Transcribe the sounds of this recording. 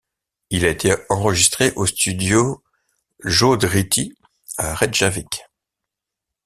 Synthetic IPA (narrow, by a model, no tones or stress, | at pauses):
ilaet̪ʰeɑ̃ʁəʒist̪χeʔost̪yd̪jo | ʒod̪ʁit̪i | aʁɛd̪ʒavik